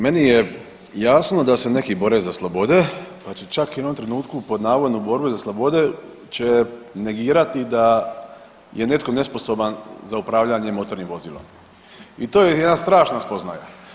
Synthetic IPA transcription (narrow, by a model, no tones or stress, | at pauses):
me̞nije | jaːsno̞d̪ase̞ne̞kibo̞ɾezaslˠobo̞d̪e̞pat͡ʃit͡ʃakjeno̞mt̪ɾe̞nuːt̪kupo̞d̪naːʋod̪nubo̞ɾbuzaslˠobo̞d̪e̞ | t͡ɕene̞ɡiːɾat̪id̪a | jʔene̞t̪ko̞ne̞spo̞so̞banzaupɾaːʋʎaɲemo̞t̪o̞ɾnimʋo̞ziːlˠo̰m | it̪o̞ːjejed̪nast̪ɾaːʃnaspo̞zna̰ja̰